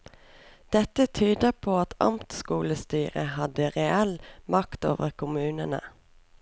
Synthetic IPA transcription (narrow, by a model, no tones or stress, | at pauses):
d̪̥ɛt̪ət̪ʰyːd̪əpʰoːɑt̪ʰɑ̰mt̪skuːləst̪yːʁəhɑd̪əʁɛɛlmɑkt̪o̰ːʋəʁkʰʊmʉːnənə̰